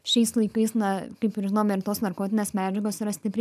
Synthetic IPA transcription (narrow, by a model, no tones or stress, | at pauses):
ʃʲɛɪslˠɐɪkɐɪsnɐkɐɪpɪrʒʲɪnoːmɪɾt̪oːsnɐrkoːt̪ʲɪnʲeːsmʲæːd͡ʒʲɛɡoːsiːɾɐsʲt̪ʲɪpʲɾʲ